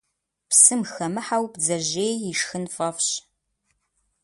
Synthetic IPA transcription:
psɨmxɐmɨħawpd͡zɐʑeːjiʂxɨnfɐfɕ

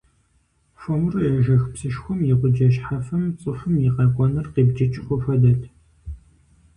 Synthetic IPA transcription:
fɔmrɨjɐʒɐxpsɨʃxʷɔmjɪqʷʊd͡ʒɐʃħafɐmt͡sʼɨfɨmjiqɑːkʷʼɔnɐrqeːbd͡ʒɐt͡ʃʼɪxʷʊfɐdɐtʰ

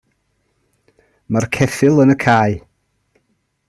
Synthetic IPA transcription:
markʰɛθɪlˠənəkʰaːɨ

